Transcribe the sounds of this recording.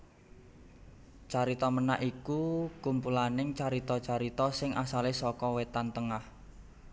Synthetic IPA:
t͡ʃaɾit̪ɔməna̰ʔikukumpulanɪŋt͡ʃaɾit̪ɔt͡ʃaɾit̪ɔsɪŋʔasalesɔkɔwet̪ant̪əŋah

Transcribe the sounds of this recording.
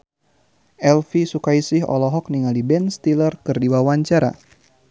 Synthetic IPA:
ɛlfisukaisɪɦɔ̰lɔɦɔk̚niŋalibɛnst̪ilərkɨrdiwawaɲt͡ʃaɾa̰

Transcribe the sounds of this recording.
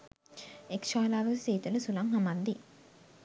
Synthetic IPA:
ekʂaːlaːʋɐsiːt̪ɐlusulaŋɦamand̪i

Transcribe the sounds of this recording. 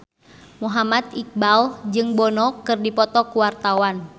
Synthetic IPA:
muɦamat̪ik̚bald͡ʒɨŋbɔnɔkɨrdipɔt̪ɔkuwart̪awan

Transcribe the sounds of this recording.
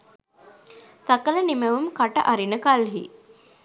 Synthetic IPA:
t̪akələniməʋumkaʈə̰ʔaɾinəkalɦḭ

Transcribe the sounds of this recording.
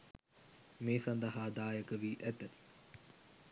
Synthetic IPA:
meːsand̪əɦaːd̪aːjəkəʋiːʔæt̪ət̪

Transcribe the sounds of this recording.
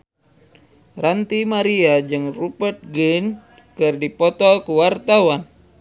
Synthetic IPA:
rant̪imaɾiad͡ʒɨŋrupərt̪̚ɡin | kɨrdipɔt̪ɔkuwart̪awan

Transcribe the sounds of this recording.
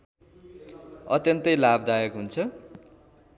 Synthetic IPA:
ʌt̪jʌnt̪ʌjlabd̪ajʌkɦunt͡sʰʌ

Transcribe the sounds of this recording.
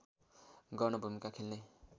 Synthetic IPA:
ɡʌrnʌbʱumikakʰelne

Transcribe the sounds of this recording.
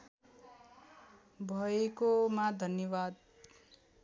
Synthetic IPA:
bʱʌekomad̪ʱʌnjʌbad̪̚

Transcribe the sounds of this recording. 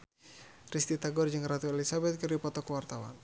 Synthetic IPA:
rist̪it̪aɡɔrd͡ʒɨŋɾat̪uelisabɛt̪̚kɨrdipɔt̪ɔkəwart̪awa̰n

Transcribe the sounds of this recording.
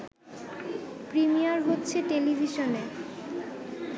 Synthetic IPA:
pɾimiaɾɦotːɕʰeʈelibʱiʃone

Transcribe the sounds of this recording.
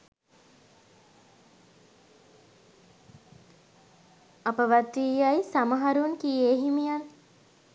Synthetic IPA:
apəʋat̪iːjajsaməɦaɾunkieːɦimijan

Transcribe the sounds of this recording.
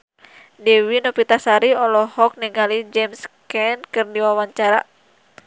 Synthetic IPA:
dɛwinɔpit̪asaɾiɔlɔhɔk̚niŋalid͡ʒɛmskɛnkɨrdiwawaɲt͡ʃaɾa̰

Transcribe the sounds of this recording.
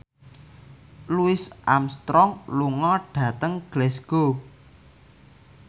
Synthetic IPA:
luɪsʔa̰mst̪ɾɔŋluŋɔɖ̥ä̤t̪əŋɡ̥lɛsɡ̥o

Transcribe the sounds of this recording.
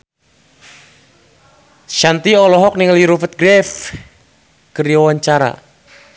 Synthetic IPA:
ʃant̪iɔlɔɦɔk̚niŋəliɾufət̪̚ɡɾɛf | kəɾiwaɲt͡ʃaɾa̰

